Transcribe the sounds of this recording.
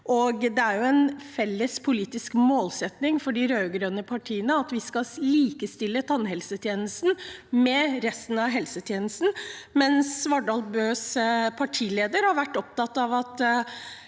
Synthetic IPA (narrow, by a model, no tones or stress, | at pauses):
ʔɔɡd̪ɛæɾjʊɛnfɛlːəspʰʊliːt̪ɪskmoːlsɛt̪nɪŋfɔɖɪɾøːɡɾøːnəpʰɑʈʰiːənəɑt̪ʋɪskɑliːkəst̪ɪlːət̪ʰɑnɦɛlsət̪ʰjeːnəst̪n̩mɛɾɛst̪n̩ɑʋɦɛlsət̪ʰjeːnəst̪n̩mɛnsʋɑɖɑlbøːspʰɑʈʰiːleːd̪əɾhɑɾʋæʈːɔp̚t̪ɑt̪ːɑʋɑt̪